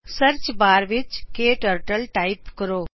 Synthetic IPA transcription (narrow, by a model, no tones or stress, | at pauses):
səɾt͡ʃbaːɾʋɪt͡ʃkeːʈəɾʈəlʈaɪpkəɾoː